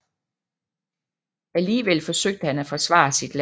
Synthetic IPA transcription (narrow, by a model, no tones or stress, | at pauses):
æliːʋel̰fɒ̽søɡ̥̚d̥əhænæfɒ̽sʋɑ̰̈sid̥l